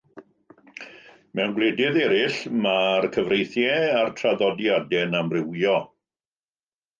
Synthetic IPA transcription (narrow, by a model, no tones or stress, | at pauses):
mɛwnɡlˠedɪðɛɾɪɬmarkʰəvrejθjɛartʰraðɔdjadɛnamrɪwjɔ